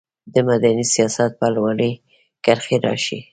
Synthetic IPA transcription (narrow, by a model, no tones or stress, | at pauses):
d̪əmad̪anisijɑsat̪̚palwɑləj | kaɾxeɾɑ̰ʃi